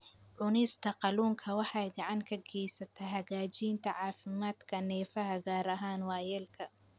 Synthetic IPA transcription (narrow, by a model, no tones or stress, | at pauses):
ʕʊnɪst̪ʰɐqɑluːŋkʰɐwɑħɑjɡɑʕɑŋkʰɐɡɛjsɐt̪ʰɐɦɐɣaːt͡ʃiːnt̪ʰɐʕɑːfɪmaːd̪kʰɐnɛːfɐɦɐɡaːɾɐɦaːnwɑːjɛːlkʰɐ